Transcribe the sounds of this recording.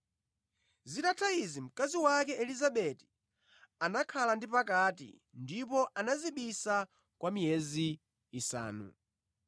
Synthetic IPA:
zitatʰaizim̩kaziwakɛʔɛlizaɓɛti̥ | anakʰalandipakatḭ | ndipɔʔanaziɓisa | kwamijɛziː | sa̰ːnṵ

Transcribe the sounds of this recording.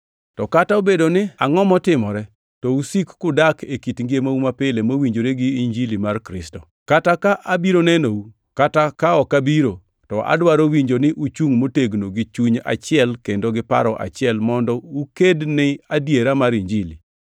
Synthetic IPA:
tɔkataobedonɪaŋɔmɔtɪmɔɾɛ | tɔusikːʊdakʰekitŋɡemaumapɪlemowiɲd͡ʒoɾeɡɪiɲd͡ʒilimarkɾɪstɔ | katakaʔabiɾonɛnou | katakaɔkabiɾo | tɔʔa̰dwaɾowiɲd͡ʒonɪʔut͡ʃuŋmoteɡnoɡɪt͡ʃuɲa̰t͡ʃɪɛlkendoɡɪpa̰ɾɔʔa̰t͡ʃɪɛlmɔndɔukednɪadjeɾamaɾiɲd͡ʒili

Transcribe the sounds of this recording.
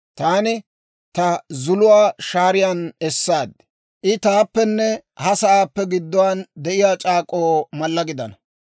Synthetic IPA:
t̪aːnɪ | t̪ɐzʊlʊwaːʃaːɾɪjanɛsːaːd̪ | ʔɪt̪aːpːɛnːɛhɐsɐʔaːpːɛɡɪd̪ːɔwand̪ɛʔɪjaːt͡ʃʼaːkʼoːmɐlːɐɡɪd̪ɐnɐ

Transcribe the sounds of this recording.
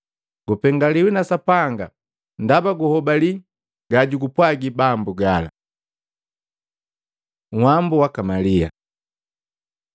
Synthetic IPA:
ɡ̥upɛŋɡaliwinasapaŋɡa | ndabaɡuhɔbali | ɡaɟuɡupwaɡibambuɡala̰ | ŋ̩hambuwakamalia̰

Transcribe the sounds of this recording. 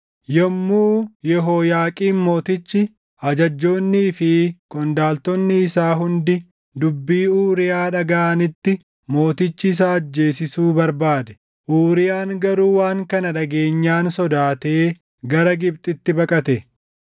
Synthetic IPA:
jɔmːuːjɛɦoːjaːkʼiːnmo̞ːt̪ɪt͡ʃːɪ | ɐd͡ʒɐd͡ʒːo̞ːnːiːfɪkʼɔnd̪aːlt̪ɔnːɪːsaːɦʊnd̪ɪ | d̪ʊbːiːuːɾɪjaːᶑɐɡɐʔɐnɪt̪ːɪ | mo̞ːt̪ɪt͡ʃːɪːs̬aːɐd͡ʒːe̞ːs̬ɪsuːbɐɾbaːd̪ɛ̥ | ʔuːɾɪjaːŋɡɐɾuːwaːŋkɐnɐᶑɐɡe̞ːɲːaːnsɔd̪aːt̪eː | ɡɐɾɐɡɪb̚t̪ʼɪt̪ːɪbɐkʼɐt̪ɛ

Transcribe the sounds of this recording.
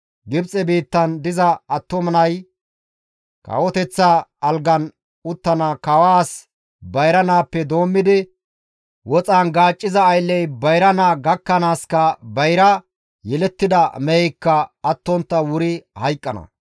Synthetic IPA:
ɡɪbt͡sʼɛbiːt̪ːɐnd̪ɪzɐɐt̪ːɔmɐnɐj | kɐ̰wɔt̪ɛt͡sːaɐlɡɐn | ʊt̪ːɐnakɐwaːs | bɐjɾɐnaːpːɛd̪o̞ːmːɪd̪ɪ | wɔt͡sʼaːnɡaːt͡ʃʼːɪzɐːjlːɛjbɐjɾɐnaːɡɐkːɐnaːskɐbɐjɾɐ | jɛlɛt̪ːɪd̪ɐmɛjɛjkːɐɐt̪ːɔnt̪ːɐwʊɾɪhɐjkʼːɐnɐ̰

